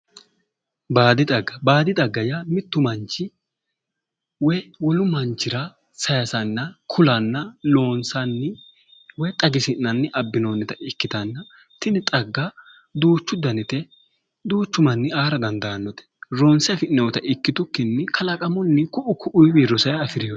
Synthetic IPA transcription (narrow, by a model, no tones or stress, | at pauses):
baːd̪ɪd̪ɐɡːɐbaːd̪ɪd̪ʼɐɡːɐjamɪt̪ːʊmɐnt͡ʃːɪ | wɔjwɔlʊmɐnt͡ʃːɪɾɐ | sɐjɐsɐnːɐkʰʊlɐnːɐlo̞ːnsɐnːɪ | wɔjt̪ʼɐɡɪsɪnːɐnːɪʔɐbːɪnonːɛt̪ɐʔɪkːɪt̪ɐnːɐ | t̪ɪnɪt̪ʼɐɡːɐ | d̪uːt͡ʃːʊd̪ɐnɪt̪ɛ | d̪uːt͡ʃːʊmɐnːɪaːɾɐd̪ɐnd̪ɐɐnːɔt̪ɛ̥ɾoːnsɛfɪʔnɛwɔt̪ɐʔɪkːɪt̪ʊkːɪnːɪkʰɐlɐkʼɐmɔnːɪkʊʔʊkʰʊʔʊjbiɾɔsɐjɐfɪɾɪjɔ